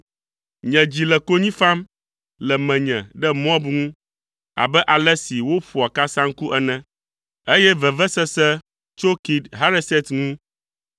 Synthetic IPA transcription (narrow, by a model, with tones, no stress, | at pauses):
ɲɛ̃˨d͡ʑi˨lɛ˨ko˦ɲĩ˦fa˦m | lɛ˨mɛ̃˨ɲɛ̰̃˨ɖɛ˦m˦ɔ̃˦bŋũ˦ | a̰˨bɛ˦ʔa˨lɛ˦si˨wo˦ɸu˨a˨ka˦sã˦ŋ̩˦ku˦ʔɛ˦nɛ̃˦ | e˦jɛ˦vɛ˨vɛ˦sɛ˦sɛ˦ | t͡ʃo˦ki˨d̪ɦa˦ɾe˦sɛ˦t̪ŋũ˦